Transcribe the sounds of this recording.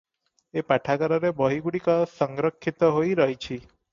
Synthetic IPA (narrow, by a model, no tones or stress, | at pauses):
epaʈʰaɡɔɾɔɾebɔɦiɡuɽikɔsɔŋɡɾɔkʰːit̪ɔɦojɾɔɦjt͡ʃʰi